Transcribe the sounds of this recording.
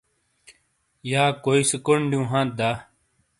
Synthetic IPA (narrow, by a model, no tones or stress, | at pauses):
jaːkoːisəkoɳɖjũːɦãːt̪̚d̪aː